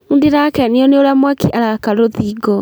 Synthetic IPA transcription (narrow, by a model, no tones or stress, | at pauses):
undiɾakɛneɔneoɾamwakiʔaɾakaɾoðiːɡɔ